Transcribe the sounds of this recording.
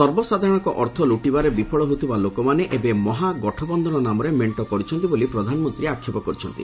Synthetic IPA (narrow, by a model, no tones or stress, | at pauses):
sɔɾbɔsad̪ʱaɾɔ̃ɽ̃ɔŋkɔʔɔɾt̪ʰɔluʈibaɾebipʰɔɭɔɦot̪ʰibalokɔmaneʔebemɔɦaɡɔʈʰɔbɔnd̪ʱɔnɔnamɔɾemeɳʈɔkɔɾit͡ʃʰɔnt̪ibolipɾɔd̪ʱanɔmɔnt̪ɾiakʰːjɔpɔkɔɾit͡ʃʰɔnt̪ḭ